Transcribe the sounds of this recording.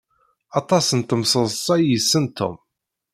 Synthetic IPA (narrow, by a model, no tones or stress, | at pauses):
ɑt̪ˤɑsənt̪əmsəðˤsˤɑjəsːənt̪ʰo̰m